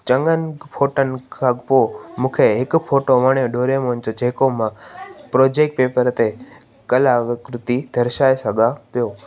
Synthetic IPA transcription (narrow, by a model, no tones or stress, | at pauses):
t͡ɕə̃ŋɡənpʰoːʈən̆kʰapoːmũːkʰeɦɪkpʰoːʈoʋəɽ̃jõɖoːɾemond͡ʑod͡ʑʱeːkomãpɾoːd͡ʑeːk̚ʈ̚peːpəɾt̪e | kəlaːʋɪkɾʊt̪id̪ʱəɾʃaːesəɡʱapijoː